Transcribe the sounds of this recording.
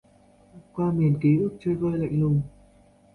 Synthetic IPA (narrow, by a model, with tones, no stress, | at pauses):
kwaː˧mi˨˩ənki˨˦ʔɨ˦˥ək̚t͡ɕəː˧jɣəː˧jla̰˧˨jŋ̟lʊ˨˩ŋ͡m